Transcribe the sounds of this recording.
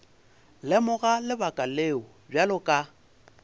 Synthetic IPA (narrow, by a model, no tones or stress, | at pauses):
lɪmʊɣalɪbakʼaleːʊbjalʊkʼa